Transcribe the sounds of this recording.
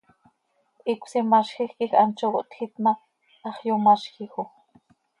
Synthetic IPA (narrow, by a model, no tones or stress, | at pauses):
ʔikʷsimaʃxixkixɑnt͡ʃowoʔt̪xit̪ma | ɑχjumɑʃxixu